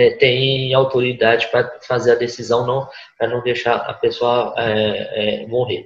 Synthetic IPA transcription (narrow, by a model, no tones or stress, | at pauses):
ɛt̪ẽj̃awt̪oɾid̪ad͡ʒɪpɾɐfazeɾɐd̪esizɐ̃w̃nɐ̃w̃ | pɾɐnɐ̃w̃d̪ejʃaɐ̰pesoɐɛɛmoɦe